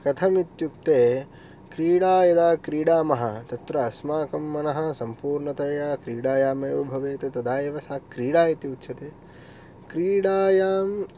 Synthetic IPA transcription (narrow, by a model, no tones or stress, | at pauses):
kɐt̪ʰɐmit̪juk̚t̪eː | kɾiːɽaːjɐd̪aːkɾiːɽaːmɐɦɐt̪ɐt̪ɾɐɐsmaːkɐmːɐnɐɦɐ̆sɐmpuːɾɳɐt̪ɐɾɐjaːkɾiːɽaːjaːmɐʋobʱɐʋeːt̪et̪ɐd̪aːjeʋɐsaːkɾiːɽaːjɐt̪jiut̪ːʃʰɐt̪eː | kɾiːɽaːjaːm